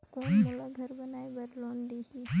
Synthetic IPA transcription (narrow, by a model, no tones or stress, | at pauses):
koːnmelaɡʱɐɾbɐnaːebɐɾloːnd̪eːɦi